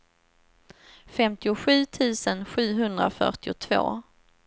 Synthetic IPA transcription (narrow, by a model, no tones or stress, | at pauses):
fɛmt̪ɪʊɧʉ̟ːt̪ʰʉ̟ːsənɧʉ̟ːɦɵnd̪ɾa̰fœ̰ʈɪʊt̪ʰvo̰ː